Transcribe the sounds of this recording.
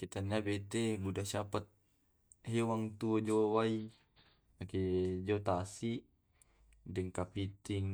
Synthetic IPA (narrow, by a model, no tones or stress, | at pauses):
kit̪anabet̪ɛbudasapat̪̚ | hewaŋt̪uod͡ʒowai | akid͡ʒot̪asiʔ | dɛŋkapit̪iŋ